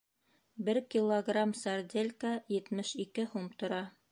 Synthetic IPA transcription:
bɘɾkʲilˠːoɡramsard̪ʲelʲkajɘ̆t̪mɘʃikɘhumt̪ŏɾɑ

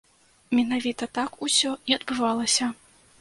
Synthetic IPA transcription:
mʲɛnavʲit̪ɐt̪akusʲɔnʲiɐd̪̚bɨvalˠɐsʲɐ

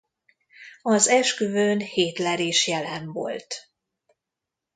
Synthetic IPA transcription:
ɒzɛʃkyvøːnheːt̪lɛɾeːʃjɛlɛmvo̰lt̪

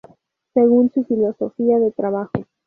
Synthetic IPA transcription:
se̞ɣunsufilo̞so̞fiaðet̪ɾaβaxo

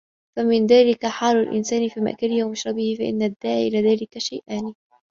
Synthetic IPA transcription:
famɪnðaːlɪkaħaːlalʔɪ̰nsaːnɪfiːma̰ʔkalɪhwamʊʃɾˤɑbɪhɪfaʔɪ̰nːad̪ːaːʕiʔɪlaːðaːlɪkaʃa̰jʔaːnɪ

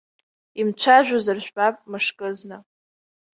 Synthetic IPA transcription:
imt͡ʃʷʰaʒᶣʷʊzɨrʒʷᶣbapʼmɨʂkʼɨznɨ

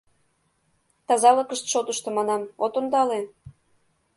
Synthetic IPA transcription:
t̪ɑzɑləkəʃt̪ʃot̪əʃt̪ə̆mɑnɑmot̪ond̪ɑle

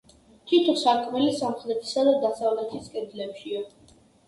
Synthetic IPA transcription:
t̪ʰit̪ʰɔsaɾkʰmɛlisamχɛd̪ɛt̪ʰi̥sad̪ad̪asavlɛt̪ʰiskʼɛd̪lɛpʃia

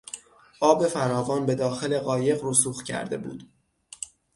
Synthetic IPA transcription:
ʔɒːbe̞fæɾɒːvɒːnbe̞d̪ɒːxele̞ɣɒːje̞ɣɾuːsuːxcʰæ̰ɾd̪e̞̰bṵːd̪̥

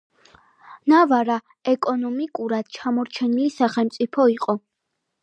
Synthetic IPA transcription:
navaɾa | ɛkʼɔnɔmikʼuɾad̪̥t͡ʃʰamɔɾt͡ʃʰɛnilisaχɛlmt̪sʼipʰɔiqʼɔ

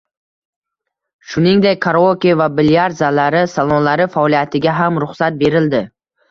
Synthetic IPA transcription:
ʃʊnɪŋd̪ekʲkʰaɾokʲivabɪljaɾzalaɾɪsalˠonlaɾɪfaɔlˠijat̪ʰɪɡʲaɦamɾʊχsat̪̚be̞ɾɪld̪ɪ

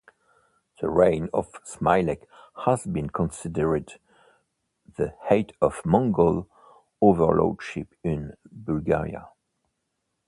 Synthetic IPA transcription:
ðə̰ɹẽɪ̃nɔv̥smaɪlɛk | həzbĩnkʰə̃nsɪdəɹɨd | ðəheɪtʰʌv̥mɔ̃ŋɡol | ovə̰˞lɔ̰d̥ʃɪpɪ̃nbulɡɛ̰ɹḭa̰

